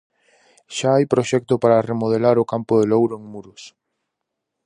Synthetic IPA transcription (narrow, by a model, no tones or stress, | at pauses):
ʃaajpɾoʃɛk̚t̪opaɾaremoð̞elaɾokampoðelowɾoeŋmuɾos